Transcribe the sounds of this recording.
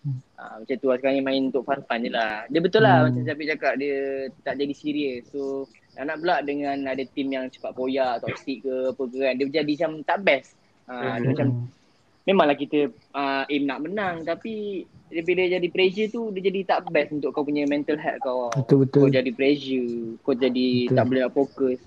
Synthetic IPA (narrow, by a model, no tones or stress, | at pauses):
a̰mat͡ʃant̪uaskaɾŋimãɪnunt̪ʊʔfanfand͡ʒəladiəbət̪ʊlahmat͡ʃamd͡ʒapiʔd͡ʒakaʔ̚diət̪aʔd͡ʒadisiɾiəsso | naʔnaʔbəlaʔdəŋãnadat̪imjaŋt͡ʃə̥pat̪̚kojaʔt̪ɔʔt̪iʔkəapəɡɣandiəd͡ʒadit͡ʃamt̪aʔbɛs | ədəmat͡ʃam | mẽmãŋlahkit̪ə | əʔimnaʔmənaŋt̪apidəbiləd͡ʒadipɾed͡ʒət̪udiəd͡ʒadit̪aʔbɛsunt̪ʊʔkːawpuɲəmɛ̃nt̪əlɦɛt̪̚kawaət̪ubət̪od͡ʒadipɾed͡ʒəkot̪̚d͡ʒadiaʔbəlanaʔfokəs